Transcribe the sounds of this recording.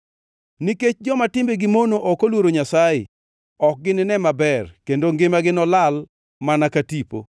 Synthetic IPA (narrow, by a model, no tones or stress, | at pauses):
niket͡ʃd͡ʒɔmatɪmbeɡɪmonoʔɔkolwoɾoɲasajɪ̰ | ɔk̚ɡɪnɪnɛmabɛrkendoŋɡɪmaɡɪnɔlal | manakatipo̰